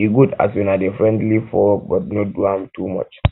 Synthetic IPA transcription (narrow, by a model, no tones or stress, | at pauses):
iɡuda̰sjũnadefɹɛ̃ndlifɔbɔt̚noduãmtʰumɔ̰t͡ʃ